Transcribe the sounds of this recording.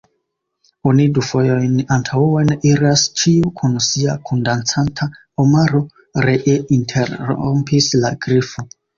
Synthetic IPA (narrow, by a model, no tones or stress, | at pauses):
onidufo̞jo̞jnantʰawe̞niɾast͡ʃiukʰunsiakʰundant͡santʰa | omaɾo̞ | ɾeʔeintʰe̞ɾ̰ompislaɡ̥ɾifo